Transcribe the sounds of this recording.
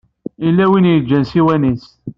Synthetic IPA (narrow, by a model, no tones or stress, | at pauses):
ilːæwinjəd͡ʒːænsiwænis